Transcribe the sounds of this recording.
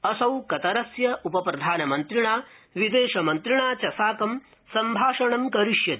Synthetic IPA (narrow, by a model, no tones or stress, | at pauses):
ɐsɐwkɐt̪ɐɾɐsjɐʔupɐpɾɐd̪ʱaːnɐmɐnt̪ɾiɳaːʋid̪eːʃɐmɐnt̪ɾiɳaːt͡ʃɐsaːkɐm | sɐmbʱaːʂɐɳɐmkɐɾiʂjɐt̪i